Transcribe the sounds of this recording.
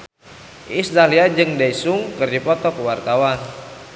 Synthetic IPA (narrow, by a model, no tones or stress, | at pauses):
ist̪aliad͡ʒɨŋdaisʊŋkɨrdipɔt̪ɔkəwart̪awan